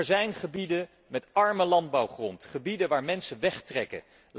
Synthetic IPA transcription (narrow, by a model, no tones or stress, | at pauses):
ɹzɛjnχəbidə | mɛtɑɹməlɑnd̚bɑwχrɔntχəbidəʋaːɹmɛnsəʋɛχtrɛkə̰ | l